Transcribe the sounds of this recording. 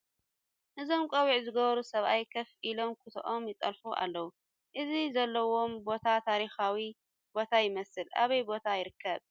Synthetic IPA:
ʔɨzo̞mkʼɐwiʕzɨɡɐβɐɾusɐβʔajkʰɐfilo̞mkʰɨt̪ʰʔomjɪt̪ʼɐlfuʔa̰lːɐwu | ʔɨzizɐlːɐwo̞mbo̞t̪ʰat̪ʰaɾixawi | b̥o̞t̪ʰajɪmɐsɨlʔa̰βɐjbo̞t̪ʰajɪɾɨkʰːɐβ

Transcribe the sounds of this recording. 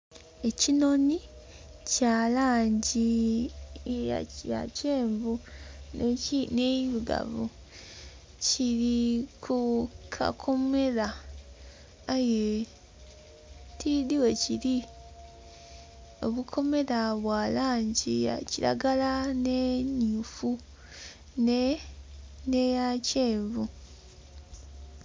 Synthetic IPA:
e̞cino̞ni | calaːɲɟi | a̰ja̰ceːɱvunineβiɡa̰vu | ciɾikʰukʰa̰kʰo̞me̞ɾa | je | tidiwe̞ciɾi | o̞̰βukʰo̞me̞ɾaβwaːlaːɲɟia̰ciɾa̰ɡalaneɲufu | ne | nejace̞ːβu

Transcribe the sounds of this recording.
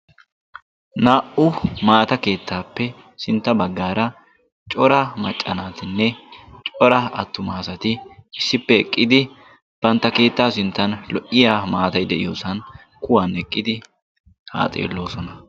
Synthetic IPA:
naːʔʊmaːt̪ɐke̞ːt̪ʰːaːpːɛ | sɪnt̪ːɐbɐɡːaːɾɐ | t͡ʃʼɔɾɐmɐt͡ʃʼːɐnaːt̪ɪnːɛt͡ʃʼɔɾɐɐ̰t̪ːʊmaːsɐt̪ɪɪsːɪpːɛɛkʼːɪd̪ɪ | b̥ɐnt̪ːɐke̞ːt̪ːaːsɪnt̪ːɐnlɔʔɪjaːmaːt̪ɐjd̪ɛʔɪjoːsɐn | kʊwanɛkʼːɪd̪ɪ | ha̰ːt͡sʼḛːlːo̞ːsɔnɐ

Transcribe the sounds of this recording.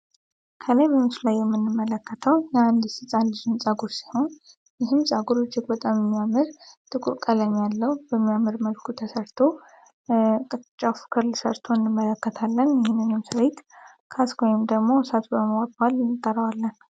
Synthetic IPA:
kʰəlajbəmsulajːɛmːɨnːɨmːələkːət̪ʰəwjɛand̪sɨsʼand̪ɨʃɨmsʼaɡuɾsiho̞n | jɪɦɨmsʼaɡuɾɨt͡ʃːɪkbət̪ʼamjɛmːijamɨɾt̪ʰʼɨkʼṵɾkʼələɲːalːəhubəmːijamɨɾməlkʰut̪ʰəsəɾt̪ʰo̞ | kʼt͡ʃʼːafu̥kʰɨɾlɨsə̰ɾt̪ʰoɨnːɨmːələkːət̪ʰalːənjɪhɪnɨnːɨmsɨɾet̪ | kʰaskʰojɪmd̪əɡmo̞sat̪ʰbəməwat̪ʼalɪnːɨkʼːəɾəwalːən

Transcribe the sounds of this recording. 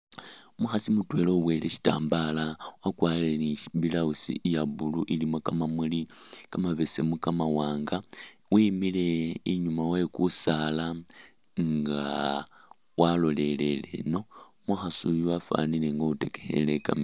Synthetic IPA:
maxasimutwe̞lo̞we̞leʃi̥ta̰ːmbalawakwaːlenibilausḭʔjabuluʔilimokamamulikamaβese̞mukamawaːŋɡawimile̞iɲumawekusala | ŋɡa | walo̞le̞le̞lḛno̞ | maxasujuafa̰nileŋɡoutekexeleka̰mi

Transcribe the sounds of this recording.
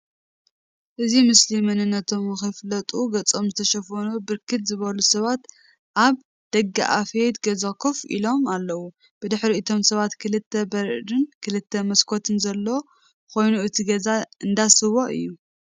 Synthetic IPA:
ʔɨzimɨslimɐnɨnːɐt̪ʰo̞mxɨflɐt̪ʼuɡɐt͡sʼo̞mzɨt̪ʰɐʃɐfɐnubɨɾkʰɨt̪zɨβɐlusɐβat̪ | ʔaβ | d̪̥ɐɡːa̰ʔa̰fed̪ɡɐzɐkʰofḭlo̞malːɐwu | b̥ɨd̪ɨħɾiɨt̪ʰo̞msɐβat̪kʰɨlɨt̪ʰːɐbɐɾʔdɨnkʰɨlɨt̪ʰːɐmɐskʰot̪ʰɨnzɐlːo | kʰo̞jnuʔɨt̪ʰiɡɐzaʔɨnd̪asɨwoʔɨ̰jːu

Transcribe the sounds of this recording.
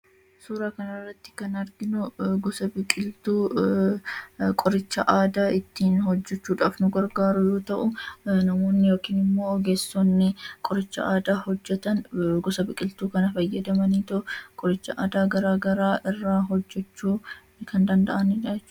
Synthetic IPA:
suːɾaːkɐnɐrːɐt̪ːɪ̥kɐnɐɾɡɪnʊɡɔsɐbɪkʼɪlt̪uː | kʼɔɾɪt͡ʃːɐʔaːd̪aːɪt̪ːiːnhɔd͡ʒːɛt͡ʃːuːᶑaːfnʊɡɐɾɡaːɾʊjoːt̪ɐʔʊnɐmo̞ːnːɪjoːkiːnɪmːo̞ːɔɡeːsːɔnːɪkʼɔɾɪt͡ʃːɐ̰ʔaːd̪aːhɔd͡ʒːɛt̪ɐnɡɔsɐbɪkʼɪlt̪uːkɐnɐfɐjːɐd̪ɐmɐniːt̪ɐʔʊkʼɔɾɪt͡ʃːɐʔaːd̪aːɡɐɾaːɡɐɾaːʔɪrːaːɦɔd͡ʒːɛt͡ʃːuː | kɐnd̪ɐnd̪ɐʔɐnɪᶑɐɛt͡ʃː

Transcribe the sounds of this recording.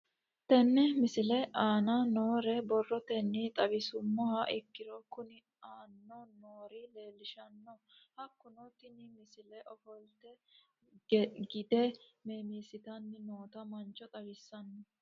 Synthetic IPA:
t̪ɛnːɛmɪsɪlɛʔaːnanoːɾɛbɔrːɔt̪ɛnːit̪ʼɐbɪsʊmːɔhɐʔɪkːɪɾɔkʊnɪ | aːnːɔnoːɾile̞ːlːɪʃɐnːɔ | hɐkːʊnɔt̪ɪnɪmɪsɪlɛʔɔfɔlt̪ɛ | ɡɪd̪ɛmeːmiːsɪt̪ɐnːɪnoːt̪ɐmɐnt͡ʃɔt̪ʼɐbɪsːɐnːɔ

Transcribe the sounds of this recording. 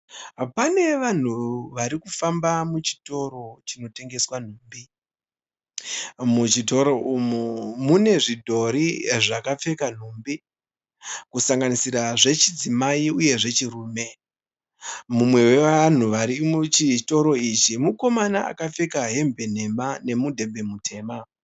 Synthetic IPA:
pane̞ʋan̤uʋaɾikufambamut͡ʃi̥to̞ɾo̞t͡ʃino̞te̞ŋɡe̞swan̤uːmbi | mut͡ʃito̞ɾo̞ʔumumune̞ʐidʱo̞ɾiʐakap͡fe̞kan̤umbi | kusaŋɡanisiɾaʐe̞t͡ʃid͡zimaiuje̞ʐe̞t͡ʃiruːme̞ | mumwe̞we̞ʋan̤uʋaɾit͡ʃito̞ɾo̞it͡ʃimuko̞manaʔa̰kap͡fe̞kaɦe̞mbe̞n̤e̞mane̞mudʱe̞mbe̞mutʰe̞ːma

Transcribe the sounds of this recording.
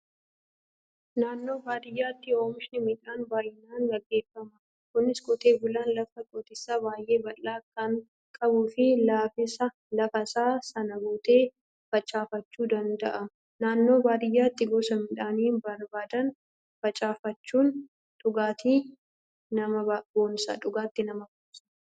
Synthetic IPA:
naːnːo̞ːbaːd̪ɪjːaːt̪ːɪoːmɪʃnɪmɪᶑaːnbaːjɪnaːnɡɐɡːe̞ːfːɐmɐ | kʊnːɪsɡɔt̪eːbʊlaːnlɐfɐkʼot̪ɪsːaːbaːjʔe̞ːbɐlːaːkɐŋ | kʼɐbuːfɪlaːfɪsɐ | lɐfɐsaːsɐnɐbuːt̪ʼe̞ː | fɐt͡ʃʼaːfɐt͡ʃːuːd̪ɐnd̪ɐʔɐ | naːnːo̞ːbaːd̪ɪjːaːt̪ːɪɡoːsɐmɪᶑaːniːnbɐɾbaːd̪ɐn | fɐt͡ʃʼaːfɐt͡ʃːuːn | ᶑ̪ʊɡaːt̪iː | nɐmɐboːnsɐ̰ᶑʊɡaːt̪ːɪnɐmɐboːsɐ̥

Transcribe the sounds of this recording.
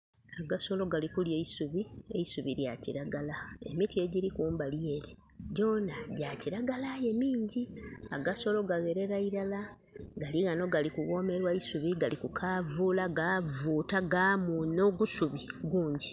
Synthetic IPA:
aɡaso̞lo̞ɡalikulje̞isuβie̞̰isuβiɾja̰ciɾaɡalae̞̰mitie̞ɟiɾikuːmbaljeːɾe | ɟo̞naɟaciɾaɡalaje̞miːɲɟiaɡaso̞lo̞ɡaɣe̞ɾe̞ɾaiɾala | ɡaliɣano̞ɡalikuɣo̞ːme̞ɾwaisuβiɡalikukʰaːvuːlaɡavuːtaɡamuno̞ɡusuβiɡuːɲɟi

